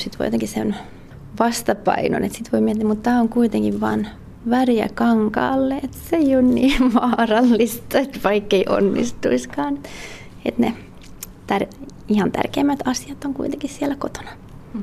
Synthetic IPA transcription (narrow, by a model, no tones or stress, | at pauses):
sit̪ʋo̰jot̪eŋkissḛn | ʋɑst̪ɑpɑ̰ino̰nḛt̪sit̪ʋoimiet̪ːiːæmut̪t̪æːoŋkuit̪eŋkiʋʋɑ̰ːn | ʋærjæ̰kɑŋkɑ̰ːlːeet̪seionnḭːʋɑːrɑlːist̪ɑet̪ʋɑikːeiʔo̰nːḭst̪ṵiskɑːne | ḛt̪nḛ | t̪ær | ihɑnt̪æ̰rkeːmːæt̪ɑsiɑt̪oŋkuit̪eŋkissielækot̪o̥nɑ̥